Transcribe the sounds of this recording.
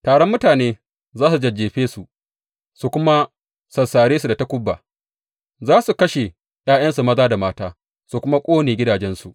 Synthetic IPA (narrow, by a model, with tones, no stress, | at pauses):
taː˨ɽɔ˦mːʊ˦taː˨neː˦ | zaː˦su˨d͡ʒɐ˨d͡ʒːeː˨ɸeː˦su˨ | su˨kʷʊ˦ma˦ | sɐ˨saː˨ɽeː˦su˨da˨ta˦kʷʊ˦bːa̰ː˨ | zaː˦su˨kɐ˦ʃe˨ | j̰aː˦j̰ɐ˦nsu˨mɐ˦zaː˦da˨maː˦taː˦ | su˨kʷʊ˦ma˦kʷʼoː˦neː˨ɡʲɪ˦daː˨d͡ʒɛ˦nsu˨ʔ